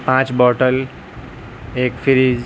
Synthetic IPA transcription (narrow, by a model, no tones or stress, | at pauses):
pãt͡ʃbɔʈəl | ekfʰiɾid͡ʒ